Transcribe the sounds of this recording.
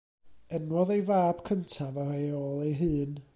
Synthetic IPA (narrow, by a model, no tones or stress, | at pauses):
ɛnwɔðejvaːb̥kʰəntʰavarejoːlˠejɦɨːn